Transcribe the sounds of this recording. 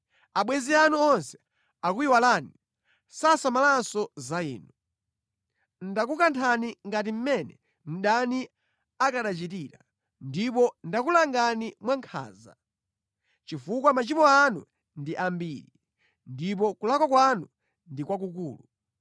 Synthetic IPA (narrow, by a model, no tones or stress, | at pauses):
aɓwɛnzianuɔnsɛ̥ | akuiwalaːni | sasamalansɔzaḭːnu | n̩dak̬ukantʰaniŋɡatim̩mɛnɛ̰ | m̩ɗani | akaɗat͡ʃitiɾa | ndip̬ɔndak̬ulaŋɡanimwaŋkʰa̰ːza̰ | t͡ʃifukwamat͡ʃimɔanṵ | ndiʔambiːɾi | ndip̬ɔkulakwakwanu | ndikwak̬uk̬uːlu